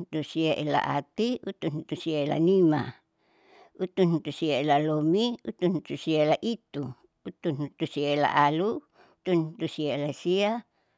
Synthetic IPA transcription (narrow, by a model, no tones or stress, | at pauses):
t̪usieʔela̰ʔa̰t̪iut̪ːunut̪usieela̰nima̰ | ut̪ːunut̪usieelalomiut̪ːunut̪usieelaʔit̪ːu | ut̪ːunut̪usieela̰ʔalu | ut̪unut̪usieelasia